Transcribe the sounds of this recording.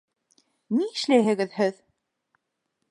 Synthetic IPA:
niʃlʲeɦɘɣɘðhœð

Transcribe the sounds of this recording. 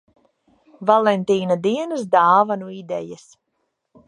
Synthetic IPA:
valˠɛnt̪iːnad̪iɛnɨsd̪aːvanuid̪ɛ̰jəs

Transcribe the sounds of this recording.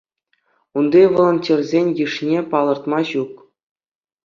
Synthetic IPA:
und̪iʋolˠŏnʲtʲerʲzʲenʲjɯʂnʲepɑlˠɤ̆rt̪mɑɕuk

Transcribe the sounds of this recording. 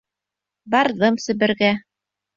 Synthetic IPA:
bɑɾðɤmsɘ̆βɘ̆ɾɡæ

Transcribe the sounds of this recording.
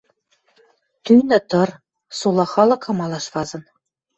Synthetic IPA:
t̪yjnɘ̆t̪ɤ̆r | sulˠɑχɑlˠɤ̆kɑmɑlˠɑʃvɑzɤ̆n

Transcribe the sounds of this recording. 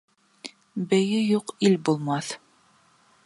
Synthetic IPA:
bɘ̆jɘjuqilbulˠmɑθ

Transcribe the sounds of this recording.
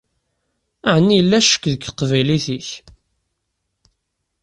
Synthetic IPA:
æʕənːijəlːæʃə̥kːðəkqːvæjliθiç

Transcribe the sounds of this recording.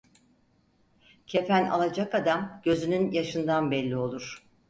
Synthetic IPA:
cʰe̞fæna̰lˠad͡ʒakad̪amɟ̥ø̞zynynjaʃɯnd̪anbɛlʲːio̞lˠuɾ̝̥

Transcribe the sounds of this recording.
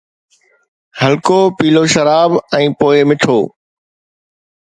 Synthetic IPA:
hɐlkoːpiːloʃɐɾaːbɛ̃ːpoːɪmɪʈʰoː

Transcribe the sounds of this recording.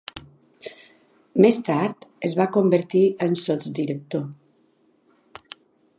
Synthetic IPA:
mest̪aɾt̪əzβakombəɾt̪iənsot͡sd̪iɾək̚t̪o

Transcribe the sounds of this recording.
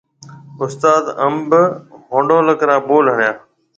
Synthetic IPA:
ʊst̪aːd̪əmbɦõːɳɖoːləkɾãːboːlɦəɳjãː

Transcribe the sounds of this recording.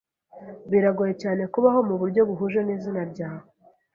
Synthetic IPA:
βiɾaɡoje̞caːne̞kuβaho̞muβuɾɟo̞βuɦuʒeniːzinaɾɟaːho

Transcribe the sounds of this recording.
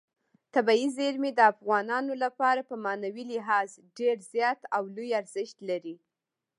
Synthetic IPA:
t̪abɑizeɾmed̪əafɣɑnɑnolapɑɾapəmɑnawilɪɦɑzɖeɾzjɑt̪awlujaɾzɪʃt̪laɾi

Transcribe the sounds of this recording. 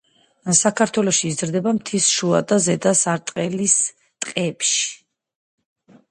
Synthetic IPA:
sakʰaɾt̪ʰwɛlɔʃiːzɾd̪ɛbamt̪ʰisʃua̰d̪azɛd̪asaɾt̪ʼqʼɛlis | t̪ʼqʼɛpʃi̥

